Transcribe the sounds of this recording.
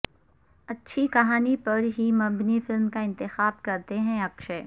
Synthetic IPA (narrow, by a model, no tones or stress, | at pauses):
ɐtːʃʰikɐɦaːnipɐɾɦimɐbnifɪlmkaɪ̃nt̪ɪxaːbkɐɾt̪eɦɛ̃ɐkʃeː